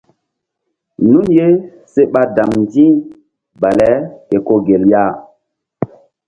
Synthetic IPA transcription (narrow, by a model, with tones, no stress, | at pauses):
nu˦nje˦ | se˦ɓa˦da˨mndĩ˦ | ba˨lɛ˦ke˨ko˦ɡe˨lja˦˨